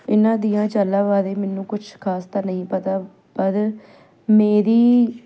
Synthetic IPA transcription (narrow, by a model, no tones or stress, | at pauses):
ɪnãːd̪ɪjãːt͡ʃəlãːʋaːd̪eːmɛːnũːkʊt͡ʃʰkʰaːst̪aːnəĩːpət̪aː | pəd̪ | meːɾiː